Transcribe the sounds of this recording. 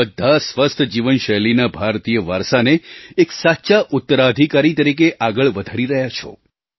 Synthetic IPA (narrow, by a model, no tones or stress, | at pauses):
əd̪ʱːasʋəst̪ʰəd͡ʒiʋənʃəjlinabʱaɾt̪ijəʋaɾsaneeksatːʃaʔʊt̪ːəɾad̪ʱikaɾit̪əɾikeʔaɡəɭʋəd̪ʱaɽiɾəɦjat͡ʃʰo̰